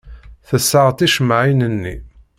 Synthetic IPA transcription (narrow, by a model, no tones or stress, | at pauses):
θəsːəʁt̪iʃmʕinənːḭ